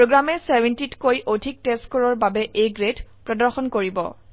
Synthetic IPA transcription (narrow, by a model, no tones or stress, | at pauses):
pɹoɡɹamɛsɛbʱɛntitkojʔodʱik̚testkɔɹɔɹbabɛʔejɡɹedpɹɔdɔɹxɔnkoɹibɔ̰